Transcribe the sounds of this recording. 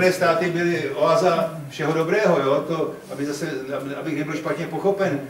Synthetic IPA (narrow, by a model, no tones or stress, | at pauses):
nɛːst̪aːt̪ɪbɪlɪʔoaza | fʃɛɦodo̞bɾɛːɦo̞joːt̪oʔabɪzasɛababɪxnɛbɪlʃpat̪ɲɛpo̞xo̞pɛn